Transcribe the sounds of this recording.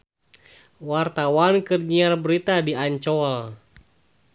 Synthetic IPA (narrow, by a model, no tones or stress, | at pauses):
wart̪awankərɲiarbəɾit̪adiaɲt͡ʃɔl